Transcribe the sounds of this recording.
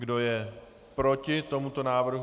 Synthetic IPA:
ɡdo̞jɛ | pɾo̞cɪt̪o̞mut̪o̞naːvr̩ɦ

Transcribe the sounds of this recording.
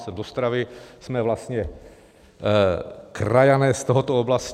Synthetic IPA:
sɛd̪ɔst̪ɾaʋiz̥mɛʋlast̪ɲɛ | kɾajanɛːst̪ɔɦɔt̪ɔɔblas

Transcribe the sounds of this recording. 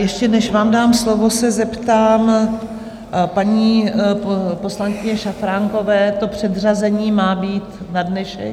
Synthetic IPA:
jɛʃcɛnɛʃvaːmdaːmslo̞vo̞sɛzɛpt̪aːm | paɲiː | po̞slaŋkɪɲɛʃafɾaŋko̞vɛːt̪o̞pr̝̥ɛd̪r̝azɛɲiːmaːbiːt̪ | nadnɛʃɛ̰

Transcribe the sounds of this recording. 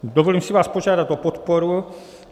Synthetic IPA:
d̪ovoliːmsivaːspoʒaːdat̪opot̪poɾu

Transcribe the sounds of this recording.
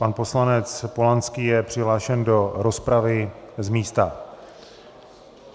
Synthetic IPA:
panpo̞slanɛt͡spo̞lant͡skiːjɛpr̥ɪɦlaːʃɛndo̞ɾo̞spɾavɪzmiːst̪a

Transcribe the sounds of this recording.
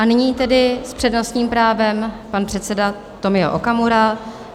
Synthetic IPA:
ʔanɪɲiːt̪ɛdɪspr̥ɛdno̞st̪ɲiːmpɾaːvɛmpanpr̝̥ɛt̪sɛda | t̪o̞mɪo̰ʔokamuɾal

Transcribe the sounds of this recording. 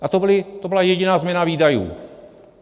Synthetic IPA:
ʔat̪obɪlɪt̪obɪlajɛɟɪnaːzmɛnaviːdajṵː

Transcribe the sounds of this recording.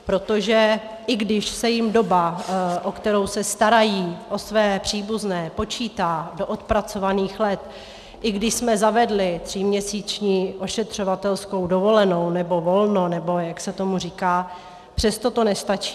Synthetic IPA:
pɾo̞t̪o̞ʒɛ | ʔɪɡdɪʃsɛjɪmdo̞baʔokt̪ɛɾo̞wsɛst̪aɾajiːʔo̞svɛːpr̝̥iːbuznɛːpo̞t͡ʃiːt̪aːdo̞ʔot̪pɾat͡so̞vaniːxlɛt̪ | ʔɪɡdɪʃsmɛzavɛdlɪt̪r̝̥imɲɛsiːt͡ʃɲiːʔo̞ʃɛt̪r̝̥o̞vat̪ɛlsko̞wdo̞vo̞lɛno̞wnɛbo̞vo̞lnonɛbo̞jaksɛt̪o̞muriːkaː | pr̝̥ɛst̪o̞t̪o̞nɛst̪at͡ʃi̥ː

